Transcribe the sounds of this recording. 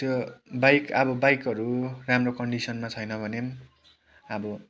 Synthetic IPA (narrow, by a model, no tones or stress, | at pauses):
t̪jobajkʌbʌbajkʌɾuramrokʌɳɖisʌnmat͡sʰʌjnʌbʱʌnem | ʌbʌ